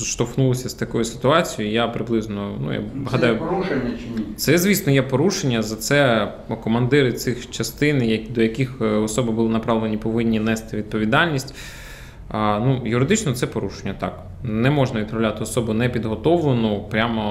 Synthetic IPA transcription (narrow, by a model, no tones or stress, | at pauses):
ʃt̪ɔwxnulˠɔsʲɐst̪ɐkɔjusɪ̥t̪ʊɑt͡sʲijʊjapɾɪblˠɪznɔnṵja̰ɦɐd̪ɑjʊ | t̪sɛzʲʋʲisnɔjɛpɔɾuʃenʲːɐzɐt̪sɛ | kɔmɐnd̪ɪɾɪt̪sɪxt͡ʃɐst̪ɪnjɐkʲd̪ɔjɐkʲixɔsɔbɪbʊlˠɪnɐpɾɑʋlˠenʲipɔʋɪnʲːinɛst̪ɪʋʲid̪̚pɔʋʲid̪ɑlʲnʲisʲtʲ | nujʊɾɪd̪ɪt͡ʃnɔt̪sɛpɔɾuʃenʲːɐt̪ɑ̰k | nɛmɔʒnɐʋʲid̪pɾɔwlʲat̪ɪɔsɔbʊnɛpʲid̪ɦɔt̪ɔʋenʊpɾʲamɔ